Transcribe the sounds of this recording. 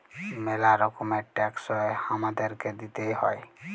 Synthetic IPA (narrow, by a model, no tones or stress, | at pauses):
melaɾɔkomeʈɛksɔjhamad̪əɾked̪it̪ehɔe